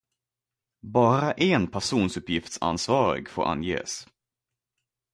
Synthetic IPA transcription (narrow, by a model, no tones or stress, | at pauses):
bɑːɾaʔɛnpʰæʂuːnsɵpːjɪft̪sa̰nsvɑːɾɪ̰ɡfo̰ːɾʔa̰njḛːs